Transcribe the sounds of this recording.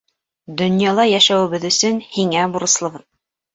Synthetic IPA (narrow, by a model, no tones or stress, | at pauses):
d̪ɵ̆njɑlˠɑjæʃæwɘ̆βɘðɵ̆sɵnhiŋæbuɾɤ̆slˠɤ̆βɤð